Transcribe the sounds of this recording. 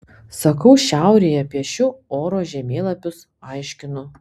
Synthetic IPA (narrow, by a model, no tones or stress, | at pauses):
sɐkɐʊʃʲæˑʊɾʲeːjɛpʲiɛʃʲʊoːɾoːʒʲɛmʲeːlˠɐpʲʊs | ɑɪʃʲkʲɪnʊ